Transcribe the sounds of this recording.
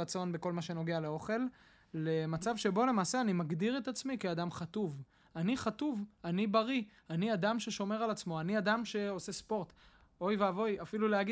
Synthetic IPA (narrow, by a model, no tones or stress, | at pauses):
at͡so̞nbeko̞lmaʃe̞no̞ɡealeo̞χe̞l | lemat͡savʃe̞bo̞le̞maːseanimaɡd̪iʁet̪at͡smikiad̪amχat̪uv | aniχat̪uvanibaʁi | aniad̪amʃe̞ʃo̞me̞ʁalat͡smo̞aniad̪amʃe̞o̞se̞spo̞ʁt̪ | o̞jveavo̞jafiluleaɡi